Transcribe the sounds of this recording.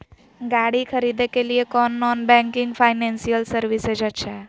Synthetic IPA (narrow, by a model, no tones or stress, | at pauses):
ɡaɽikʰəɾid̪ekeliekɔnːɔːnbɛ̃ŋkɪŋɡpʰaːɪnɛ̃nsijəlsəɾʋised͡ʒət͡ʃʰɛ